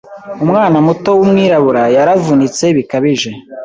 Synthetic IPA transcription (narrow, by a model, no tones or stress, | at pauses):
umŋaːnamuto̞wumŋiːɾaβuɾajaɾavunit͡se̞βikaβiʒe̞